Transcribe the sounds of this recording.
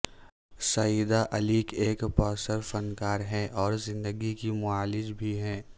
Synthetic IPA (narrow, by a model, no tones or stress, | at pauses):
sɐid̪aʔɐliːkeːkpɔːsəɾfɐnkaːɾɦɛ̃ʔɔːɾzɪ̃nd̪əɡikimʊaːlɪd͡ʒbʱiɦɛ̃ː